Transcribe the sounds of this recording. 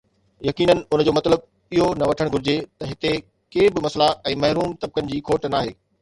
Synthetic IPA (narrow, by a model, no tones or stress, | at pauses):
jɐkiːnənɪ̆ʊn̤̆d͡ʑoːmɐt̪ləb̚ | iɦonɐʋɐʈʰəɽ̃ɡʱʊɾɪd͡ʑet̪ɐɦɪt̪e | keːbɪmɐslaɛ̃ːmɐɦɾuːmt̪ɐb̚kənɪ̆d͡ʑiːkʰoːʈnaːɦeː